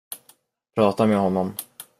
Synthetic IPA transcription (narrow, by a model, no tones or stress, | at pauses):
pʰɾɑːt̪ameːɦɔnːɔm